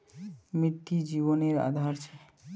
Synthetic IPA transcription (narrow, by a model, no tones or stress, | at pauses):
mɾit̪ːid͡ʑiboneɾa̰d̪ʱaɾt͡ɕʰe